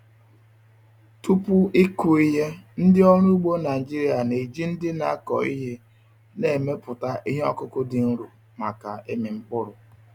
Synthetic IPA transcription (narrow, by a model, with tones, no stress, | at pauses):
tu˦pʊ˦i˦ku˨i˦ɦe˦n̩˦dɪ˦ɔ˦ɾu˦u˦ɡ͡bo˦na˨d͡ʒi˦ɾi˨a˨ne˨d͡ʒi˦n̩˦dɪ˦na̰˦kɔ̰˨ḭ˦ɦe˦ | ne˨me˦pʊ˨ta˦ʔi˦ɦɔ̰˦kʊ˦kʊ˦dɪ˨n̩˦ɾu˨ | ma˨ka̰˨ʔe˦mɪ˨ŋ͡m̩˦k͡pʊ˦ɾʊ˨